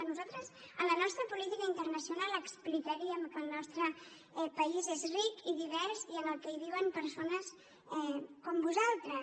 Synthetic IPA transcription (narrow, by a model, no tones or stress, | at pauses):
ənuzalˠt̪ɾəzənlənɔst̪ɾəpulit̪ikəint̪ərnəsiunalˠəksplikəɾiəmkəlˠnɔst̪ɾə | ɛpəizezrikiðiβ̞ɛɾsiənəlˠkɛiβ̞iwəmpəɾsonəs | ɛkɔmbuzalˠt̪ɾə